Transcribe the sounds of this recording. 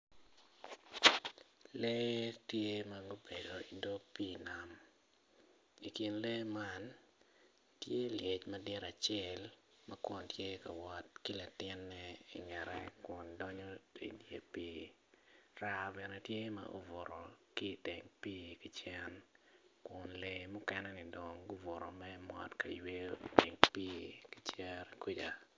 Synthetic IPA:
le˦tje˦ma˨ɡo˦be˨do˨i˨ndo˦piː˦na˨m | i˨ki˨nle˦ma˦n | tje˦lje˨t͡ʃmɐ˦dɪ˦ɾa˨t͡ʃɛ˦˨l | mɐ˦kɔ˨ntje˦ka˨wɔ˨t̚ki˦la˨tɪ˦nːɛ˦ḭ˨ŋɛ˨ɾɛ̰˦kʊ˨ndɔ˦ɲo˦ḭ˨djḛ˦piː˦ | ɾa˦bɛ˨nɛtje˦ma̰ʔo˦vʊ˨ɾɔ˨ki˦˨tɪ˨ŋpiː˦ki˦t͡ʃɛ˦nkʊ˨nle˦mʊ˦kɛ˦nɛnɪ˨do˨ŋɡu˦vʊ˨ɾɔ̰˨mɛ˦mɔ̰˨tka˨jwe˦tɪ̰˨ŋpiː˦ki˦t͡ʃɛ˦ɾkwi˦d͡ʒa̰˨

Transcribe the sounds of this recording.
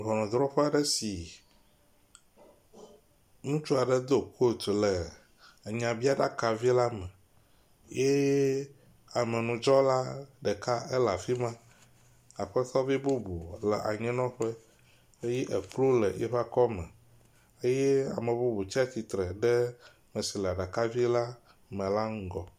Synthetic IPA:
ɦɔ˨nɔ̃˨d̪ɾɔ˦ɸɛ˦a˨ɖɛ˦si˨ | nũ˦t͡ʃu˦a˨ɖɛ˦d̪o˨ko˦˨t̪o˨lɛ˨ | ɲã˨bi˦a˦ɖa˦ka˨vi˦la˦mɛ̃˨ | je˦ | a˨mɛ̃˨nũ˨d͡ʒɔ˦la˦ɖɛ˨ka˦ʔe˦la˨fi˦mã˦ | a˨ɸɛ˦t̪ɔ˦vi˦bu˦bu˨lɛ˨ʔa˨ɲɛ̃˦nɔ̃˦ɸe˦ | e˦jɛ˦ʔɛ˨k͡plo˦lɛ˨jɛ̰˦ɸa˦kɔ˦mɛ̰̃˨ | e˦jɛ˦a̰˨mẽ˨bu˦bu˨t͡ɕi˦a˦t͡ɕi˨t̪ɾɛ˨ɖɛ˦ | mɛ̃˨si˨lɛ˨a˨ɖa˨ka˦vi˦la˦ | mɛ̃˨la˦ŋ̩˦ɡɔ˨

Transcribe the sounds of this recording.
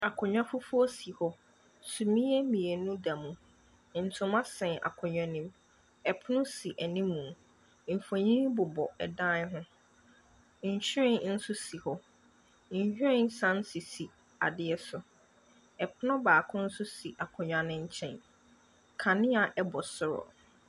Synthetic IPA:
a˨kʰʊ̃˨ɲᶣã˦fʊ˦fʊ˦ɔ˦si˨hɔ˦ | sũ˨mĩ˦ɛ˦mĩ˨e˨nũ˦dã˨mũ˨ | n̩˨tʰʊ̃˨˦mã˦sɛ̃˨nʔa̰˨kʰʊ̃˨ɲᶣã˨nĩ˦m | ɛ˨pʰʊ˦nʊ̃˦si˨ʔɛ˨nĩ˦mːũ˨ | m̩˨fo˨ɲĩ˦bʊ˨bɔ˨ɛ˨dã˦nɦʊ̃˦ | ɲ̩˨ɕᶣɪ˦ɾɪ̃˦nn̩˦sʊ˦si˨hɔ˦ | ɲ̩˨hᶣɾɪ̃˦nsã˦n˦si˨si˨ | a̰˨dɪ˦ɛ˦sʊ˨ | ɛ˨pʰʊ˦nʊ̃˦baː˨kʰʊ̃˦n̩˦sʊ˦si˨ʔa˨kʰʊ̃˨ɲᶣã˨nɪ̃˦ɲ̩˦t͡ɕʰɛ̰̃˨n | kʰã˨nɪ̃˦a˨ʔɛ˦bɔ˨sʊ˦ɾɔ̰˨

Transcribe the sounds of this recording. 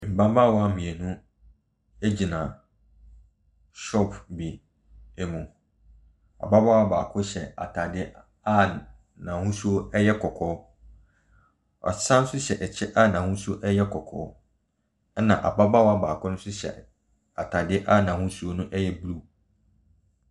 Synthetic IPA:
m̩˨bã˦ba˦˨wɔ˨˦a˦mĩ˨e˨nũ˦ | e˦d͡ʑi˨nã˨ | ʃɔ˦pʰbi˨ | ɛ˦mũ˨ | a̰˨ba˦ba˦wa˦baː˨kʰʊ˦ɕɛ˨a̰˨tʰa˨dɪ˦ | a˦˨ | nã˨hũ˦su˦o˦ɛ˦jɛ˦kʰɔ˨kʰɔ˦ | ɔ̰˨sã˦n˦sʊ˦ɕɛ˨ʔɛ˨t͡ɕʰɛ˦ʔa˦˨nã˨hũ˦su˦o˦ʔɛ˦jɛ˦kʰɔ˨kʰɔ̰ː˦ | nã̰˨ʔa̰˨ba˦ba˦wɔ˦a˦baː˨kʰʊ˦nʊ̃˦sʊ˦ɕɛ̰˨ | a˨tʰa˨dɪ˦ʔa˦˨nã˨hũ˦su˦o˦nũ˦ʔɛ˦jɛ˦blu˦

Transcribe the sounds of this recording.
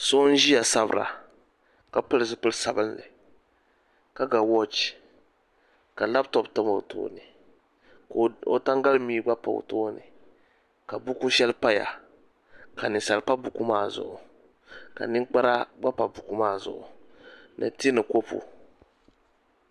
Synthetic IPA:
so˦n˦ʒi˦ja˨sa˦bɨ̰˦ɾa̰˨ | ka˨pɨ˦lɨ˨zɨ˨pɨ˦lsa˨bɨ˦nlɨ˨ | ka˦ɡa˨wɔ˦t͡ʃ | ka˨la˦btɔ˦btɨ˦ma˨o˨to̰ː˦nɨ˨ | ko̰˨ta˦ŋɡa˦lmiː˦ɡ͡ba˦pa˨o̰˨toː˦nɨ̰˨ | ka˨bu˦ku˦ʃɛ˦lpa˦ja̰˨ | ka˨nɨ˨sa˨lpa˦bu˨ku˦maː˦˨zʊ̰˨ʔʊ˨ | ka̰˨nɪ˦k͡pa˦ɾa˦ɡ͡ba˦pa˨bu˨ku˦maː˦˨zʊ̰˨ʔʊ˨nɨ̰˨ti˦nɨ˨ko˦pṵ˨

